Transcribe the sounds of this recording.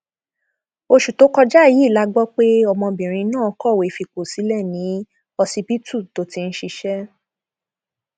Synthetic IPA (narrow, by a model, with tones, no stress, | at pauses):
o˧ʃu˨to˨˦kɔ˧d͡ʒa˦˨ji˨˦˨la˦ɡ͡bɔ˦k͡pe˦ɔ˧mɔ̃˧bĩ˨ɾ̃ĩ˧˦nã˦˨ɔ˧kɔ˦˨we˨˦fi˧k͡po˨si˨˦lɛ˦˨nĩ˨˦ | ɔ˧si˧pi˦tu˦˨to˨˦ti˧n̩˦ʃi˧ʃɛ˦